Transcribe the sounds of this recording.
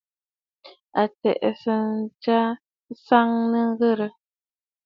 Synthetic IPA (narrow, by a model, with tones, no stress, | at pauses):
a˨tɛ̰˨ʔsə˨n̩˦t͡ʃa˦ | sa˦ŋnə˦ŋ˦ɣə˦˨ɾə˨